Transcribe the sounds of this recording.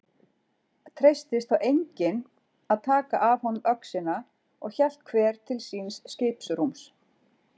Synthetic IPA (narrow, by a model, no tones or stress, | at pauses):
t̪ʰɾejst̪ɪst̪θawʔejɲcɪn | aðt̪ʰaːkaʔavhɔnːʏmʔœksɪna | ɔɣçɛl̥t̪̚kʰvɛːɾ̥t̪ʰɪlsiːnsːceːpsɾums